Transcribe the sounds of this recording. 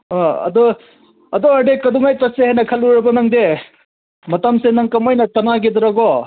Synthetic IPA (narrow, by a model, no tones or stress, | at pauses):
ɔɐ̰d̪ɔ | ɐd̪ɔaɖekɐd̪uŋajtɐsehajnɐkʰɐluɾɐbɐnɐŋd̪e | mɐtɐmsenɐŋkɐmɔjnɐtɐnaɡed̪ɔɾɐɡɔ